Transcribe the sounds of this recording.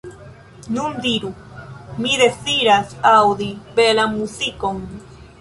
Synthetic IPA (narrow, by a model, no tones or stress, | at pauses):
nund̪iɾu | miðesiɾasawd̪ibelamusikoŋ